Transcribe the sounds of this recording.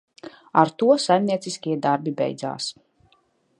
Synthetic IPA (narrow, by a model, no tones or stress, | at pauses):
aɾt̪uɔsajmniɛsiskʲiɛd̪aɾbibɛ̰jd̪za̰ːs